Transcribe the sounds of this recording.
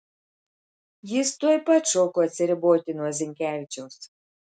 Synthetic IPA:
jɪst̪uɔjpɐt̪ʃoːkoːɐt̪ʲsʲɪɾʲɪboːt̪ʲɪnuɔzʲɪŋʲkʲæːʋʲɪt͡ʃʲɛʊs

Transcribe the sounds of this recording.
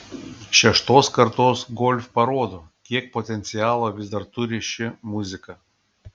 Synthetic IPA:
ʃʲɛʃt̪oːskɐɾt̪oːsɡɔlʲfʲpɐɾoːd̪oː | kʲiɛk̚pɔt̪ʲɛnt̪sʲɪjɑːlˠɐʋʲɪzd̪ɐɾt̪ʊɾʲɪʃʲɪmʊzʲɪkɐ

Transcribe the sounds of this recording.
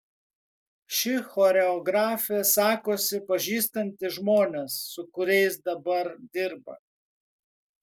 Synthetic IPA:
ʃʲɪxɔːɾʲɛɔɡɾɑːfʲɛsɑːkoːsʲɪpɐʒʲiːst̪ɐnʲt̪ʲɪʒmoːnʲesːʊkʊɾʲɛɪsd̪ɐbɐɾd̪ʲɪɾbɐ̰

